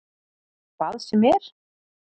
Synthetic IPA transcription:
palsʏmɛɾ̥

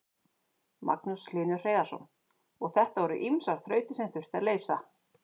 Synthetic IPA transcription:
ma̰knuslɪːnʏɾ̥r̥eːjðasɔ̰n | ɔɣθɛht̪avɔɾʏ̰ʔimsaɾ̥θɾœːɥt̪ɪsɛmθʏr̥t̪aðleːjsa

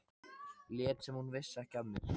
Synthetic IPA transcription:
ljɛːt̪sɛmhunvɪsːɛhcat̪nɪ

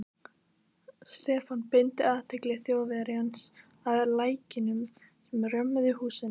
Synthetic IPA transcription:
st̪ɛːfanpɪnt̪ɪaːðt̪ʰeklɛɣθjoːwvɪðaɾɪhans | aðlaːjcɪnʏm | sɛmrœmːʏðɪhuːsɪn

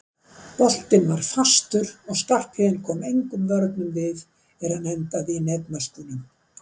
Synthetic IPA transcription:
pɔl̥t̪ɪnvaɾ̥fast̪ʏɾɔɣskar̥phɪːðɪnkʰɔːmejŋkʏmvœɾt̪nʏmvɪð | ɛɾhanɛnt̪avɪnɛp̪naskuːnʏm

